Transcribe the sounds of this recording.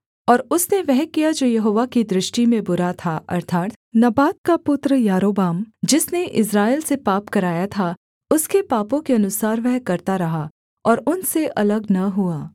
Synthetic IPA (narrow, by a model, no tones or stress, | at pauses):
ɔːɾʊsneʋɛɦkijad͡ʒoːjɐɦoːʋakid̪ɾɪʃʈimẽbʊɾat̪ʰaʔɐ̰ɾt̪ʰaːt̪ | nɐbaːt̪kapʊt̪ɾəjaːɾoːbaːmd͡ʒɪsneʔɪs̬ɾaːɪlsepaːpkɐɾaːjat̪ʰa | ʊskepaːpõkeɐnʊsaːɾʋɛɦkɐɾt̪aɾɐɦa | ɔːɾʊnseʔɐləɡnɐɦuaː